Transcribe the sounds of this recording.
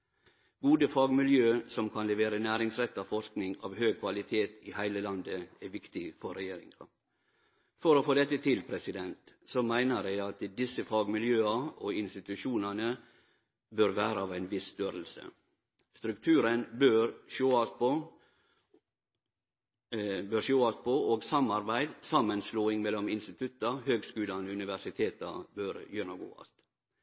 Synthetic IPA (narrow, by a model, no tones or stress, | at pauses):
ɡuːd̪əfɑːɡmɪljøːsɔmkʰɑnlɛʋeːɾənæːɾɪŋsɾɛt̪ːɑfɔʂknɪŋɑ̰ːʋhøːɡ̚kʰʋɑlɪt̪ʰeːt̪ɪhæɪləlɑnd̪əæʋɪkt̪ɪfɔɾɛjeːɾɪ̰ŋɑ | fɔɾoːfoːd̪ɛt̪ːət̪ʰɪlpʰɾɛsɪd̪ɛnt̪ | sɔmæɪnəɾæɪɑt̪d̪ɪsəfɑːɡmɪljøːɑoːɪnst̪ɪt̪ʉʃuːnənə | bøɾʋæːɾəɑːʋæɪnʋɪst̪øːɾəlsə̰ | st̪ɾʉkt̪ʰʉːɾənbøːɾʃoːɑsp | bøɾʃoːɑspʰɔoːɡsɑmɑɾbæɪd̪sɑmːənsloːɪŋmɛlːɔmɪnst̪ɪt̪ʰʉt̪ːɑhøːɡskʉːlɑnʉnɪʋæʂɪt̪ʰeːt̪ɑ̰bøɾjøɳɑɡo̰ːɑ̰st̪